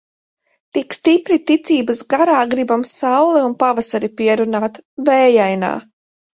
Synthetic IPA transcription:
t̪ikst̪ipɾit̪it̪sʲiːbasɡaɾaːɡɾibamsawlˠɛunpavasaɾipiɛɾunaːt̪vɛːjajna̰ː

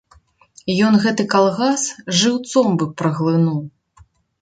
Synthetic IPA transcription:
jɔnɣɛt̪ɨkalˠɣasʐɨwt̪sɔmbɨpɾɐɣlˠɨnuw

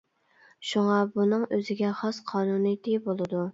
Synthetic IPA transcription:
ʃuŋɑbunɨŋøzɪɡʲɛχɑsqʰɑːnunɨt̪ʰɨbolˠɨd̪u

